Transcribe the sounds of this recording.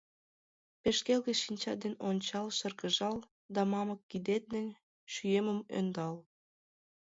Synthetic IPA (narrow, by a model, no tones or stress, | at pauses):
peʃkelɣĕʃinʲt͡ɕɑd̪enonʲt͡ɕɑlʃərkəʒɑl | d̪ɑmɑməkːid̪et̪̚nə̆nʲ | ʃyjeməmø̰nd̪ɑl